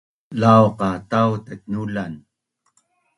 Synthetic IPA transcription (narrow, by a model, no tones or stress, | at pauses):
lawqɑt̪awt̪ak̚nulan